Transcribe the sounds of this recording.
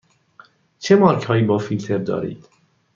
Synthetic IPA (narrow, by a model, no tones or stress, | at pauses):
t͡ʃʰemɒːɾkʰhɒːjiːbɒːfilt̪ʰe̞ɾd̪ɒ̰ːɾḭːd̪̥